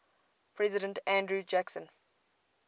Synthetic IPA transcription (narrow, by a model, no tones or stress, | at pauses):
pʰɹɛzɪdə̃ntʰæ̃ndɹud͡ʒæksə̃n